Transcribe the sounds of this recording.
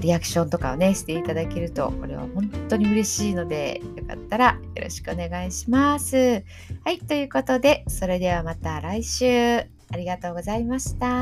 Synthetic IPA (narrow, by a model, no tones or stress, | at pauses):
ɾʲiakɯ̟̥ɕõ̞nt̪o̞kaone̞ɕi̥t̪e̞it̪ad̪ake̞ɾɯ̟t̪o̞̰ko̞ɾe̞̰β̞a̰hõ̞nt̪o̞ɲ̟iɯ̟ɾe̞ɕiːno̞d̪e̞̰jo̞ka̰t̪ːaɾajjoɾo̞̰ɕi̥kɯ̟o̞ne̞ɡaiɕimasɨ | hait̪o̞jɯ̟ːko̞t̪o̞d̪e̞so̞ɾe̞d̪e̞β̞amat̪aɾaiɕɨː | aɾʲiɡat̪o̞ːɡo̞zaimaɕi̥t̪a